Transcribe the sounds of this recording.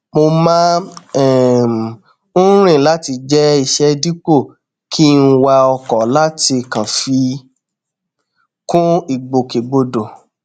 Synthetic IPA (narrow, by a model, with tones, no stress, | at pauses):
mo˧mã˦ɛ˦˨m̩˨˦ | ɾ̃ĩ˦˨la˦ti˧d͡ʒɛ˦i˧ʃɛ˧di˦k͡po˦˨ | kʰi˦˧n̩˧wa˧ɔ˧kɔ˨la˦ti˧kã˨fi˧ | kũ˦i˦˨ɡ͡bo˨ke˨ɡ͡bo˧do˨